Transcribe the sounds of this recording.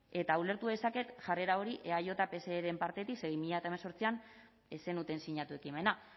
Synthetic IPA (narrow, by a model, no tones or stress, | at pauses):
e̞t̪aule̞ɾt̪uðe̞sake̞t̪ʝare̞ɾao̞ɾiʔe̞ajo̞t̪ape̞se̞ːɾe̞mpaɾt̪e̞t̪ikseɣjmiʎaet̪aemaso̞ɾt͡sian | ese̞nut̪e̞nsiɲat̪ue̞kime̞na